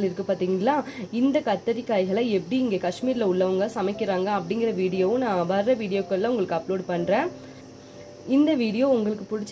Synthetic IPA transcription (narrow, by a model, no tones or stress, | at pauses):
lɪɾɯkːɯpaːɾt̪iːŋɡɐlːãːɪnd̪ɐkɐt̪ːɐɾɪkːaːjɣɐɭɐɛpːɐɽiɪŋɡeːkɐʂmiːɾɪlɐʊɭːɐʋɐŋɡɐsɐmɐɪkːɪɾaːŋɡɐːpːɐɽɪŋɡɪɾɐʋiːɽɪjoːnãːʋɐɾːɐʋiːɽɪjoːkːɐɭːãʊŋɡɐɭɯkːɯɐploːɖpɐɳːɾẽː | ɪnd̪ɐʋiːɽɪjoːʊŋɡɐɭɯkːɯpʊɽɪt͡ʃː